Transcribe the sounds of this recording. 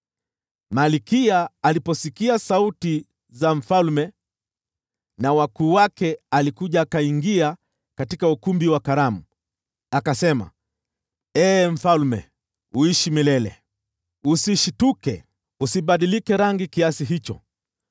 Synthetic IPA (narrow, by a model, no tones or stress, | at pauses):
malikiaːlipɔsikiasauti | zaɱ̩falmɛ | nawakuːwakɛalikuʄaːkaiŋɡia | katikaukumbiwakaɾamu | akasɛma̰ | ɛːm̩falmɛ̰ | uiʃimilɛlɛ̰ | usiʃitukɛ̰ | usiɓaɗilikɛɾaŋɡikiasiɦit͡ʃɔ̰